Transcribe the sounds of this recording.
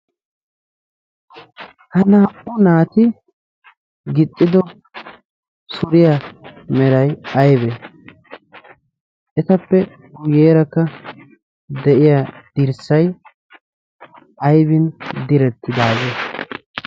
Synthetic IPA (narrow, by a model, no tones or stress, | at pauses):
hɐnaːʔʊnaːt̪ɪ | ɡɪt̪ʼːɪd̪ɔ | sʊɾɪjamɛɾɐjɐjbeː | ʔɛt̪ɐpːɛ | ɡʊjeːɾɐkːɐ | d̪ɛʔɪjad̪̥ɪɾsɐj | ʔɐjbɪnd̪ɪɾɛt̪ːɪd̪aːɡe